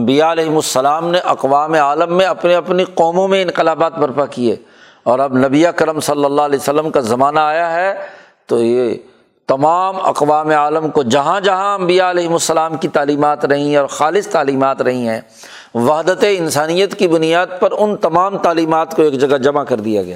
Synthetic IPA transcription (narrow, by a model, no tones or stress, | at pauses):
ɐ̃mbijaɐlɛːɦɪmʊsːɐlaːmneʔɐqʋaːmeaːləmːẽɐpneɐpniqɔːmõmẽɪ̃nqɪlaːbaːt̪̚bɐɾpakiḛː | ɔːɾɐbnɐbiɐkəɾəmsɐlːəlːalɛːsəlːəmkazɐmaːnaːjaɦɛ | t̪oje | t̪ɐmaːmɐ̰qʋaːmeaːləmkod͡ʒɐɦãd͡ʒɐɦãɐ̃mbijaɐlɛːɦɪmʊsːəlaːmkit̪aːliːmaːt̪ɾɐɦĩɦɛ̃ɔːɾxaːlɪst̪aːliːmaːt̪ɾɐɦĩɦɛ̃ː | ʋaɦd̪ət̪eɪnsaːnijət̪kibʊnijaːd̪̚pɐɾʊnt̪ɐmaːmt̪aːliːmaːt̪koeːkd͡ʒɐɡad͡ʒɐmakɐɾd̪ija̰ɡɐja̰ː